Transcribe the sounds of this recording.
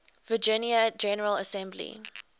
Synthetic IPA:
vəd͡ʒɪnjəd͡ʒɛnəɹələsɛ̃mblḭ

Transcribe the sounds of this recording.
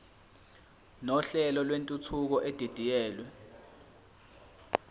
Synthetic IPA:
nɔɬɛlɔlwentʼut͡sʰuk̬ɔʔed̥ʱid̥ʱijɛːlwɛ

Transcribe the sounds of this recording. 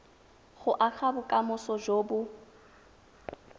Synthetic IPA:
ɣʊʔak͡xabʊkʼamʊsɔʒoːbʊ

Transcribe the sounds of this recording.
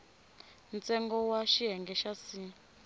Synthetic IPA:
nt͡sɛŋɡɔwaʃiɦɛŋɡɛʃasi

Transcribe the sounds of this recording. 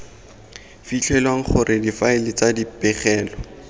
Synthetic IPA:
fit͡ɬʰɛlwaŋ̩χʊrʔɪdifaɪlɪt͡sadipɛχɛːlɔ

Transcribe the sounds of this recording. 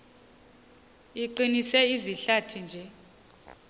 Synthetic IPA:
iǃinisɛiziɬatʰind͡ʒʱɛ

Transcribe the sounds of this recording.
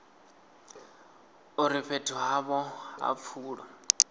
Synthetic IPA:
uɾiɸetʰuɦaβɔɦa̰p̪fʰuːɺɔ

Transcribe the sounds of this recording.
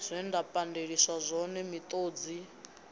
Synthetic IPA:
z̥ʷɛndapʼandeɺiswazʷɔnɛmit̪ʼoːd͡zi

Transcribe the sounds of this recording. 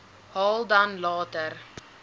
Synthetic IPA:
hɑːlˠdɐnlɑːtəɾ

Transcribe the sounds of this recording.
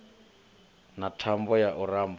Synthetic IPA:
natʰambɔjaʔuraːmb

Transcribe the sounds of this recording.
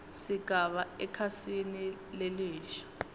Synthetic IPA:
siɡ̥ʱaβaɛkʰasinileliːʃḁ

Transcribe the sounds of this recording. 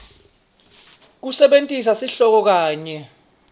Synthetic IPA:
k̬usɛɓentʼis̬asiɬɔk̬ɔk̬aːɲɛ

